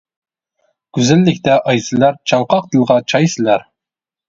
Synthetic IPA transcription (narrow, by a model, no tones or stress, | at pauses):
ɡ̥ʲyzɪlːɪkʲt̪ɛʔɑjsɪlæɾt͡ʃʰɑŋqɑq̚d̪ɨlˠʁɑt͡ʃʰɑjsɪlæɾ